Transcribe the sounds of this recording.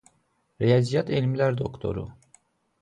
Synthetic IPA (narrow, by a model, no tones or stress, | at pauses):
ɾejazijat̪ʰelʲimlʲæɾd̪o̞kt̪ʰo̞̰ɾṵ